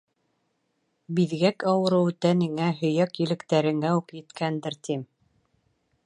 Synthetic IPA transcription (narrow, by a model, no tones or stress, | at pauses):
biðɡækɑwɤ̆ɾɤ̆wt̪ænɘ̆ŋæɦɵ̆jækjɘ̆lɘ̆kt̪æɾɘ̆ŋæukjɘ̆t̪kænd̪ɘɾt̪im